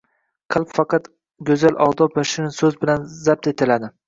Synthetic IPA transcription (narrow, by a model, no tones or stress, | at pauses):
qʰɨlˠpfɑqɑt̪ | ɡʲɵzalʔɒʁd̪ɒpbaʃɪɾɪnsɵzbɪlanzap̚t̪ʰet̪ʰɪlad̪ɪ